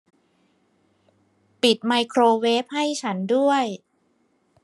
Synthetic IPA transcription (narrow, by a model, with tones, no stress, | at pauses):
pi˨˩t̪̚ma˧jkʰɾoː˧we˦˥p̚ha˥˩jt͡ɕʰa˦˥ndu˥˩əj